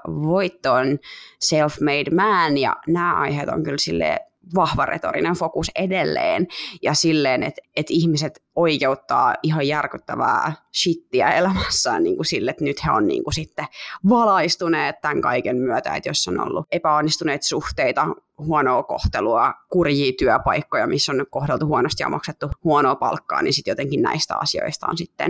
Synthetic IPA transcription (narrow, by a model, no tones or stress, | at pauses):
ʋoit̪ːoːnselfmeidmæːnjɑ̰næːʔɑ̰iheːt̪o̰ŋkylsilːḛː | ʋɑhʋɑrḛt̪o̰ɾḭnenfokusedelːḛːnjɑsilːeːnḛt̪et̪ihmiset̪oikeut̪ːɑ̰ːʔiɦɑjjærkyt̪ːæʋæ̰ːʃit̪ːiæ̰elæmæsːæ̰ːnnḭːŋkusilːet̪nyt̪heo̰nnḭːŋkusit̪ːeʋɑlɑist̪uneːt̪t̪æŋkɑ̰ikemmyœt̪æ̰ḛt̪josːono̰lːṵepæonːist̪uneːt̪suht̪eit̪ɑhuɔnoːko̰ht̪eluɑkurjiːt̪yæpɑikːojɑmisːonykkohdelt̪uhuɔnost̪jɑ̰mʔɑkset̪ːuhuonoːpɑ̰lkːɑ̰ːninsit̪jot̪eŋkinnæ̰ist̪æ̰ɑ̰sio̰ist̪ɑ̰o̰nsit̪ːḛn